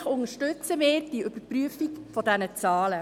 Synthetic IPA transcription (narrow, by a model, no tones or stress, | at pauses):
χʊŋəʃtʏt͡səmɪːɾd̥iəʔʏb̥əpryəfikfɔdɛnət͡sɑːlə